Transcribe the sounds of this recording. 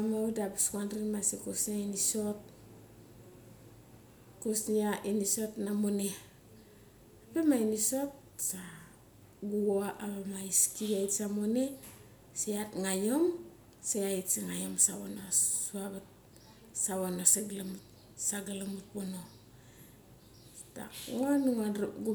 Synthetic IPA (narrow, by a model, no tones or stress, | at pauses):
amaudabiskandɾimasikosniainisot̚ | kosniaʔinisotnamone | apemainisot̚ | sa | ɡuɡoaʔaβamaiskiaisamone | seatŋajom | seaitsiŋajomsaβonouaβat̚ | saβanosaɡlamut | saɡalamut̚bono | ta̰onuŋaɾɡu